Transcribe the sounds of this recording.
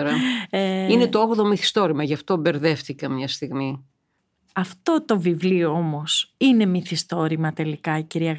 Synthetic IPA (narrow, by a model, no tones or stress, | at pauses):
ɾɐ | ine̞t̪ooɣðomiθi̥st̪o̞ɾimɐʝɐft̪o̞be̞ɾðe̞fθikɐmɲɐst̪iɣmi | ɐft̪o̞t̪o̞vivlioomo̞sine̞miθist̪o̞ɾimɐt̪e̞likɐiciɾiɐɣ